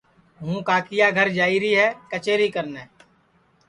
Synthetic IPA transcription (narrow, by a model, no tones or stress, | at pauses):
ɦũːkaːkɪjaɡʱəɾd͡ʒaːiɾiɦɛːkət͡ʃeːɾikəɾneː